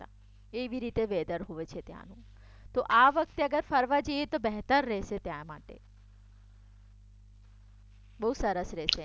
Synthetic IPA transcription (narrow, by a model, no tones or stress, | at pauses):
t̪a̰ | eʋiɾit̪eʋed̪əɾɦoʋet͡ʃʰet̪ja̰nũ | t̪oʔaʋək̚t̪eəɡəɾfəɾʋad͡ʒəjet̪obɛɦt̪əɾːɛɦʃet̪jamaʈḛ | bəɦusəɾəsɾɛʃe